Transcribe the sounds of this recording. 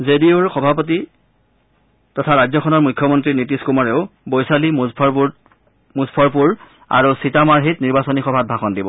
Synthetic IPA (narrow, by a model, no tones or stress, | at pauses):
zediʊɹxɔbʱap̬ɔt̬i | tɔtʰaɹajzɔkʰɔnɔɹmujkʰːjɔmɔntɹinitiskumaɹeʊbojsalimʰ | muspʰɔɹpuɹ | a̰ɹusitamaɹɦitniɹbasɔnixɔbʱat̚bʱaxɔndibɔ